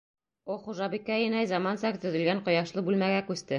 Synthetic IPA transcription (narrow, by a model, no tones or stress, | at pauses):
oχuʒɑbikːæĭnæjzɑmɑnsɑkt̪ɵ̆ðɵ̆lɡæɴqŏjɑʃlˠɤbʉlmæɡækʉst̪ɘ